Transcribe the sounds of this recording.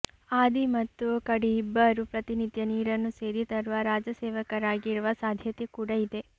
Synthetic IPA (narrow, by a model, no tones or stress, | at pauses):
aːd̪imɐt̪ːukɐɽiːbːɐɾupɾɐt̪inid̪jɐniːɾɐnːuseːɾit̪ɐɾuʋɐɾaːd͡ʒɐsɛːʋɐkɐɾaːɡiɾuʋɐsaːd̪ʱjɐt̪ekuːɽɐid̪e